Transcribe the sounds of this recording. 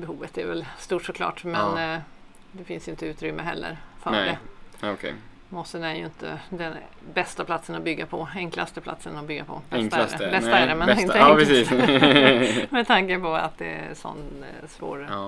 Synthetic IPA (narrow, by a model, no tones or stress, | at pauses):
bɛhuːvət̪æ̰ɾvɛ̰lst̪uːʈʂɔkʰlɑ̰ːʈmɛn | d̪ɛfɪnsjʏɪnt̪ːəʉːt̪ɾʏmːʔəɦɛ̰lːə̰ɾfœdɛɔkʰɛ | mɔsənæɾjɵɪnt̪ʰə̰d̪ɛnbɛst̪apʰlat̪sənɔbʏɡːapʰɔɛŋklast̪əpʰla̰t̪sənɔbʏɡːapʰɔɛŋk̪aɾɛbɛaɛɾɛmɛnɪnɾɛsiːs | mɛd̪ʰaŋkəpʰɔa̰t̪̚d̪ɛsɔ̰nːsvo̰ːɾ